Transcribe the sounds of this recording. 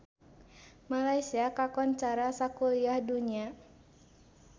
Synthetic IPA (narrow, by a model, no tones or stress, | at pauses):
malajsiakakɔnt͡ʃaɾasakuliahduɲia